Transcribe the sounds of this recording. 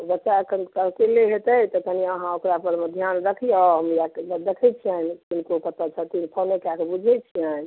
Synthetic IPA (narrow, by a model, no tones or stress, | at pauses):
obətːʃaəkʰənkəɦkeleɦet̪əjt̪ɔkəniəɦãokɾapəɾməd̪ʱjanɾəkʰiɔɦəmjakd̪ekʰɛt͡ʃʰiənt̪inkokət̪ət͡ʃʰət̪inpʰonekakebud͡ʒʱɛt͡ʃʰiən